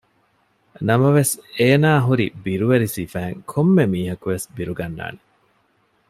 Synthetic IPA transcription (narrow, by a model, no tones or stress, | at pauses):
nɐmɐʋeseːnaːɦuɾibiɾuʋeɾisiːfæːŋkʰomːemiːɦɐkuʋesbiɾuɡɐnːa̰ːne